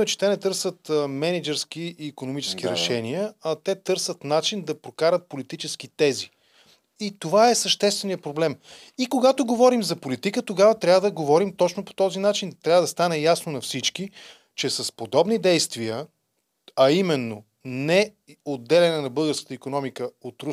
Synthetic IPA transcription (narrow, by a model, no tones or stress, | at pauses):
ɛt͡ʃɛ̥t̪ɛnɛt̪ɤɾsət̪mɛnɛd͡ʒɛɾsk̟iʔːkonomit͡ʃɛ̥sk̟iɾɛʃɛniəɐt̪ɛt̪ɤɾsət̪nat͡ʃind̪ɐpɾokaɾət̪̚polit̪it͡ʃɛsk̟it̪ɛzi | it̪ovaɛsɐʃt̪ɛst̪vɛnijəpɾoblɛm | ikoɡat̪oɡovɔɾimzɐpolit̪ikət̪oɡavət̪ɾʲavəd̪ɐɡovɔɾimt̪ɔt͡ʃnopo̥t̪ɔzinat͡ʃint̪ɾʲavəd̪ɐst̪anɛjasnonɐfsit͡ʃki | t͡ʃɛsɐspod̪ɔbnid̪ɛjst̪viə | ɐimɛnːo | nɛ | od̪ːɛlɛnɛnɐbɤlˠɡəɾskə̥t̪əikonɔmikəot̪ɾu